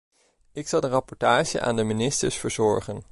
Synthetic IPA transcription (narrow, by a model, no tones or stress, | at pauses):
ɪksɑlˠdərɑpɔɹtaːʒə̰ʔa̰ːndəminɪstəɹsfəɹzɔɹχən